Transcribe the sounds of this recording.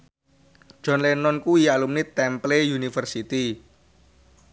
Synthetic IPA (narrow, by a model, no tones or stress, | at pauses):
ʒ̥ɔ̤nlenɔnkuijalumnit̪ɛmplejunifərsit̪i